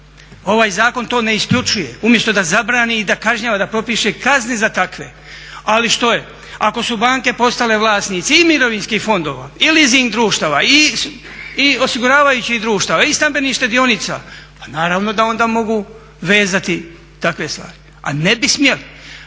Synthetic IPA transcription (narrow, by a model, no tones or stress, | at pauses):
o̞ʋaːjzaːko̞nt̪o̞ːne̞iskʎut͡ʃuje̞umje̞st̪o̞d̪azabɾaːniːd̪akaʒɲaːʋad̪apɾo̞piːʃekaznezat̪akʋe̞ | aliʃt̪o̞je | ako̞subaːŋke̞po̞st̪ale̞ʋlˠaːsnit̪siimiɾo̞ʋiːnskihfo̞nd̪o̞ːʋailiziŋd̪ɾuːʃt̪aːʋai | io̞siɡuɾaːʋajut͡ɕihd̪ɾuːʃt̪aːʋaist̪ambe̞niʃt̪ed̪io̞nit̪sa̰panaːɾaːʋno̞d̪ao̞nd̪aːmo̞ɡu | ʋe̞ːzat̪i | t̪akʋe̞st̪ʋa̰ːɾi | a̰nebismje̞li